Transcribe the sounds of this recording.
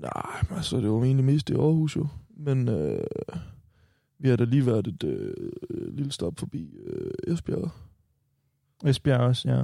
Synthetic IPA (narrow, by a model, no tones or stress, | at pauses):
nɑ̰ɪ̰ælsɒd̥e̝ʋɑie̝ːnlime̝̰ːsd̥iɒːhṵːsjo̝menø | ʋihɑ̈ɾɑliːʋæɐ̰d̥e̝d̥ø | lilsd̥ɒb̥fɒb̥ḭːøesb̥æ̰ɐ | esb̥ɒsjæ